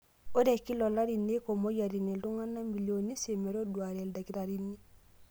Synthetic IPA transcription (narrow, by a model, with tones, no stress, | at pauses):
o˦ɾɛ˨ki˦lɔ˨la˦ɾi˨ne˦ko˨mo˦ja˨ɾi˨ne˨˦u˦ŋa˦na˦mi˨ljo˨ni˦se˨mɛ˨ɾo˦dwa˨ɾɛ˨lda˨ki˦ɾa˨ɾi˦ni˦